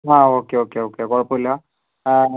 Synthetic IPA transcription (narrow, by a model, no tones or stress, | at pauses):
ɦãokeokeokeɡɔɽpola